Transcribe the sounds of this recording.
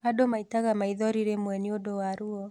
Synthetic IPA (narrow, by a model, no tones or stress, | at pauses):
adomaitaɣamaiðɔɾiɾemwɛniodɔwaɾuɔ